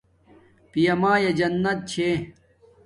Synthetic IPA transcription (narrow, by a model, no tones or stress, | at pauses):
pijɐmaːjɐd͡ʑɐnːɐt̪̚t͡ɕʰe